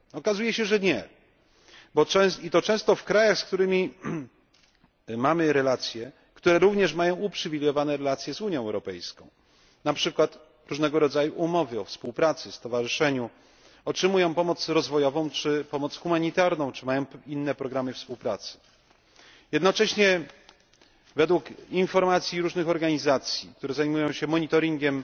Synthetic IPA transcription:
ɔkazujɛɕɛʐɛɲɛ | bɔɛit̪ɔt͡ʂɛ̃w̃st̪ɔfkɾajaxsk̚t̪uɾɘmʲi | mamɘɾɛlat̪sʲjɛ | kt̪uɾɛɾuvɲɛʂmajɔ̃w̃upʂɘvʲilʲjɔvanɛɾɛlat̪sʲjɛzuɲjɔ̃w̃ɛwɾɔpɛjskɔ̰̃w̃ | napʂɘkwat̪ | ɾuʐnɛɡɔɾɔd̪zajuʔumɔvɘɔfspuwpɾat̪sɘfst̪ɔvaʐɨʂɛɲu | ɔtʂɘmujɔ̃w̃pɔmɔt̪sɾɔzvɔjɔvɔ̃w̃t͡ʂɘpɔmɔt̪sxumaɲit̪aɾnɔ̃w̃t͡ʂɘmajɔ̃w̃inːɛpɾɔɡɾamɘfspuwpɾat̪sɘ̥ | jɛd̪nɔt͡ʂɛɕɲɛ | vɛd̪wukinfɔɾmat̪sʲjiɾuʐnɘxɔɾɡaɲizat̪sʲjik̚t̪uɾɛzajmujɔ̃w̃ɕɛmɔɲit̪ɔɾʲiŋɡʲɛm

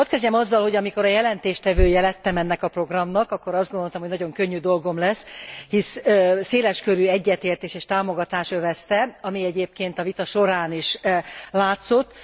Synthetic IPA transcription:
ot̪̚kɛzɟɛmɒzːɒlho̞ɟɒmiko̞ɾɒjɛlɛnt̪eːʃt̪ɛvøːjɛlɛt̪ːɛmɛnːɛkɒpro̞ɡrɒmnɒkɒkːo̞ɾɒzd̪ɡond̪o̞lt̪ɒmhoɟnɒɟo̞ŋkøɲːyːd̪o̞lɡo̞mlɛshisseːlɛʃkøɾyːɛɟːɛt̪eːrt̪eːʃeːʃt̪aːmo̞ɡɒt̪aːʃøvɛst̪ɛɒmiɛɟeːp̚keːnt̪ɒvit̪ɒʃo̞ɾaːniʃlaːt̪so̞t̪ː

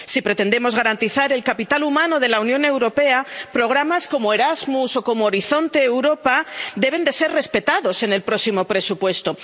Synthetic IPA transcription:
sipɾe̞t̪e̞nd̪e̞mo̞zɣaɾant̪iθaɾe̞lkapit̪alumãnoð̞e̞launjõ̞newɾo̞peapɾo̞ɣ̞ɾamasko̞moe̞ɾazmuso̞ko̞moːɾiθo̞nt̪e̞ːwɾo̞pad̪e̞β̞e̞nd̪e̞se̞ɾre̞spe̞t̪aðo̞se̞ne̞lpɾo̞simo̞pɾe̞supwe̞st̪o̞

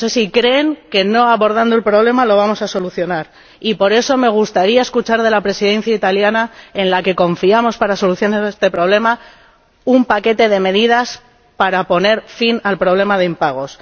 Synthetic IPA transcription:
nose̞sikɾe̞ŋke̞no̞aβo̞ɾð̞and̪oe̞lpɾo̞β̞le̞malo̞β̞amo̞saso̞luθjo̞naɾ | ipo̞ɾe̞so̞me̞ɣ̞ust̪aɾiae̞skut͡ʃaɾðe̞lapɾe̞siðẽ̞n̟θjait̪aljanae̞nlake̞ko̞ɱfiamo̞spaɾaso̞luθjo̞naɾest̪e̞pɾo̞βle̞ma | umpake̞t̪e̞ð̞e̞me̞ðiðas | paɾapo̞ne̞ɾfinalpɾo̞β̞le̞maðe̞impaɣ̞o̞s

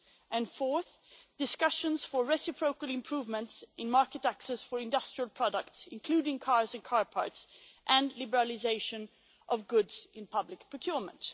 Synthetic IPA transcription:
ʔɨ̃nfɔɹθ | d̥ɨskʌʃə̃nz̥fə˞ɹɛsɨpʰɹoʊkəl̩ˠɪ̃mpʰɹ̥uvmə̃ntsʔɪ̃nmɑɹkɨɾæksɛsfə˞ɪ̃ndʌstɹ̥iəlˠpʰɹ̥ɑɾək̚tsɪ̃nkʰl̥ʉɾɪ̃ŋkʰɑɹzɨ̃nkʰɑɹpʰɑ̰ɹtsʔɨ̃nlɪbə˞əlˠɪzeɪʃɨ̃n | ʔʌvɡʊdz̥ɪ̃npʰʌblɪkpʰɹ̥əkʰj̥ɔɹmə̰̃nt

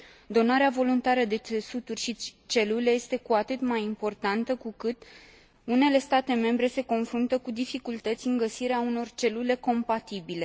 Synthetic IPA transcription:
d̪o̞naɾeavo̞lunt̪aɾəd̪e̞esut̪urʲʃit͡ʃe̞lule̞je̞st̪e̞kuat̪ɨt̪majimpo̞rt̪ant̪əkukɨt̪ | une̞le̞st̪at̪e̞me̞mbɾe̞se̞ko̞nfɾunt̪əkud̪ifikult̪ət̪sʲɨŋɡəsiɾeauno̞rt͡ʃe̞lule̞ko̞mpat̪ibile̞

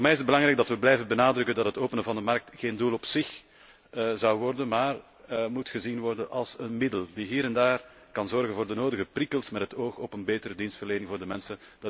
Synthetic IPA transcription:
ɔrmɛjɪzəd̚bəlɑŋɾɛːɡdɑtʋəblɛjvənbənaːdɾɵkəndɑtɦətoːpənəvɑndəmɑrk̚txeːndulɔpsɪx | əzɑwʋɔrdənmaːr | mutxəzinʋɔrdənʔɑlˠsənmɪdəldiɦiːɾɛndaːr | kɑnzɔrɣənvoːrdənoːdəɣəprikəlˠsmɛtɦətoːxɔpənbeːtəɾədinstfərleːnɪŋvoːrdəmɛnsənd̥

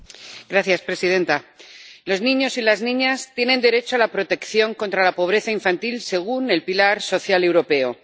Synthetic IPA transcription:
ɡɾaθjaspɾe̞sið̞e̞nt̪alo̞znĩɲo̞silaznĩɲast̪je̞ne̞nd̪e̞ɾe̞t͡ʃoalapɾo̞t̪e̞kθjo̞ŋkont̪ɾalapo̞β̞ɾe̞θaiɱfant̪ilse̞ɣ̞une̞lpilaɾso̞θjale̞wɾo̞pe̞o̞

